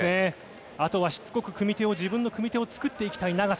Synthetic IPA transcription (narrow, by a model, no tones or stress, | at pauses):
e | at̪o̞βaɕi̥t͡sɨ̥ko̞kɯ̟kɯ̟mʲit̪e̞o̞ʑibɯ̃nːo̞kɯ̟mʲit̪e̞o̞t͡sɨ̥kɯ̟t̪ːe̞ikʲi̥t̪ainaɡas